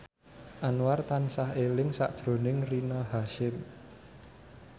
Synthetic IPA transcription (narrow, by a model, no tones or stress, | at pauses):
ʔanwart̪ansaɦelɪŋsa̰ʔd̥ʒ̥ɾo̤nɪŋrinɔhaʃɪm